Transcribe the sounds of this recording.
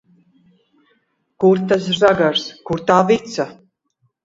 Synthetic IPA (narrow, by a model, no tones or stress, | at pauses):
kuɾt̪as̬ʒaɡaɾskuɾt̪aːvit̪sa